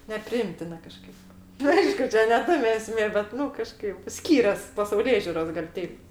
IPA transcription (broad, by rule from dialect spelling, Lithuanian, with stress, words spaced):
nʲɛpʲrʲɪˈɪmʲtʲɪnɐ kɐˈʃkɐɪp nʊ ˈɐɪʃkʊ ˈt͡ʃʲɛ nʲɛ ˈtɑːmʲɛ ɛˈsʲmʲeː bʲɛt ˈnʊ kɐˈʃkɐɪp ˈsʲkʲiːrʲɛs pɐsɐʊˈlʲeːʒʲʊroːs ɡɐlʲ ˈtʲɛɪp